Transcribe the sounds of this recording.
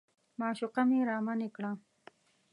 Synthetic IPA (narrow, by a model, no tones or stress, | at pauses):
mɑːʃʊqameɾɑːmanekɽa